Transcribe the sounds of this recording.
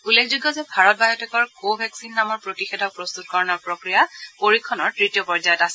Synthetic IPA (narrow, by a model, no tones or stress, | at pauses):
ulːekʰzuɡjɔzɛbʱaɹɔt̚bajɔtɛkɔɹkobʱɛksinːamɔɹpɹotixedʱɔpɹɔst̪utkɔɹɔnɔɹpɹokɹijapoɹikʰːɔnɔɹtɹitijɔpɔɹzajɔtasɛ